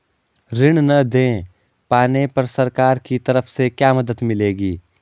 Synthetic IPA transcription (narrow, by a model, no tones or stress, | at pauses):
ɾɪɽnɐd̪ẽː | paːnepɐɾsɐɾkaːɾkit̪ɐɾəfʰsekjaːmɐd̪əd̪mɪleːɡiː